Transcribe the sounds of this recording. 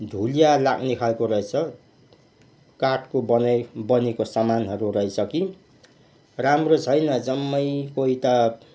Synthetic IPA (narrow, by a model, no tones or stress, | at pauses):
d̪ʱulijalaɡnikʰaekoɾʌet͡sʰʌ | kaʈkobʌnbʌnekosamanɦʌɾurʌɦisʰʌki | ramrot͡sʰʌjnʌd͡zʌmːʌjkoit̪a